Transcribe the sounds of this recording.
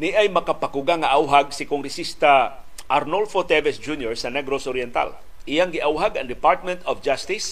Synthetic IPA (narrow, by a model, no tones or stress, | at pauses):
niʔajmɐkapakuɡaŋaʔawɦaɡ̚sɪkoŋɾɛsist̪a | ʔaɾnolfot̪ɛvɛsd͡ʒunjɔɹsɐnɛɡɾosɔɾjɛnt̪a̰l | ʔijaŋɡɪʔawɦaɡɐŋd̪ɪpaɾt̪̚mɛnt̪ɔfd͡ʒast̪is